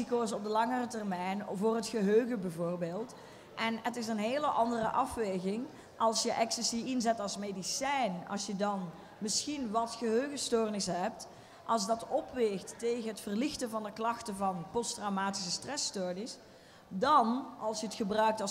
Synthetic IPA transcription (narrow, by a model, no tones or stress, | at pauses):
ikoːs̬ɔb̚dəlɑŋərətɛrmɛjnvʊːrətxəɦøːɣəbɛvoːrbeːlˠt | ʔɛnətɪs̬ənɦeːləʔɑndərəʔɑfʋeːɣɪŋ | ʔɑlˠsjəʔɛksəsiɪnzɛtɑlˠsmedisɛjnɑ̰lˠsjədɑn | mɪsxinʋɑtxəɦøːɣəstoːrnɪsɦɛp̚t | ʔɑlˠs̬dɑtɔpʋeːxtːeːɣənɦətfərlɪxtəvɑndəklɑxtəvɑnpɔstrawmaːti̥səstrɛstoːrnɪs | dɑnɑlˠsjəətxəbrœɥk̚tɑ